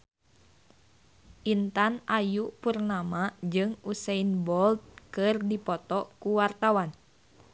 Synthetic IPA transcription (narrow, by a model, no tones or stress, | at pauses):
ʔint̪anʔajupurnamad͡ʒɨŋusɛinbɔlt̪̚kɨrdipɔt̪ɔkuwart̪awan